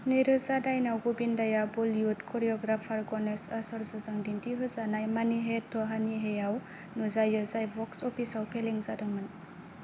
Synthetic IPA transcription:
niɾɯzadajnawɡubindajabuljutkʰɔɾiɔɡɾapʰaɾɡɔnesasɔɾzɔzaŋdindiɦɯzanajmaniɦetʰɔɦaniɦejaw | nuzajɯzajbɔksɔpʰisawpʰeleŋzadaŋɯn

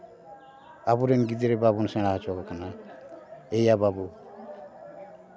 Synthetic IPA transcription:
abuɾenɡid̪iɾɛbabunsɛ̃ɽ̃aɦat͡ʃɔɡɔkʰana | ejababu

